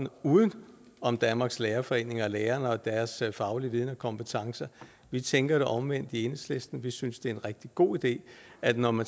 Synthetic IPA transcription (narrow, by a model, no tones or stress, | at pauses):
n̩uːð̞ˠn̩ | ɒ̽md̥ænmɑ̈ːɡ̥sleːɐfɒ̽e̝̰ːne̝ŋɐɒleːɐnɒ̽d̥æɐsfɑ̈ʊliʋið̞ˠnɒkʰɒ̽mpʰet͡sʰɑ̈ŋsɐ | ʋit͡sʰeŋɡ̥ɐɾ̥e̝ʔɒ̽mʋen̰d̥ie̝nəsle̝sd̥n̩ʋisynsd̥e̝æɐe̝nʁɛɡ̥̚d̥iɡ̥o̝̰ːid̥e̝̰ːædnɒmæn